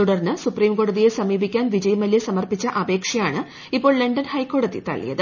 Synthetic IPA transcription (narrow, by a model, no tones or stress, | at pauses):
uɽɐrnɨsupriːmko̞ːɽɐðije̞sɐmiːbikʲːaːnʋid͡ʑɐjɐmɐljesɐmɐrpit͡ɕːɐʔɐbe̞ːkʂɐjaːɳɨ | ipːo̞ːɭleɳɖɐnhɐjkːo̞ːɽɐðḭt̪ɐ̰ɭːḭjɐ̰ðɨ